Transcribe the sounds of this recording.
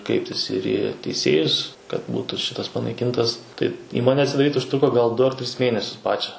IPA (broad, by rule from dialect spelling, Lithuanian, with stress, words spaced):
ˈkrʲɛɪpʲtʲɪs ɪr iː tʲɛɪˈsʲeːjʊs kɐt ˈbuːtʊ ˈʃʲɪtɐs pɐnɐɪˈkʲɪntɐs tɐɪ ˈiːmoːnʲɛ ɐtʲsʲɪdɐˈrʲiːt ʊʃˈtrʊkoː ɡɐlˠ ˈdʊ ɐr ˈtʲrʲɪs ˈmʲeːnʲɛsʲʊs ˈpɑːt͡ʃʲɛ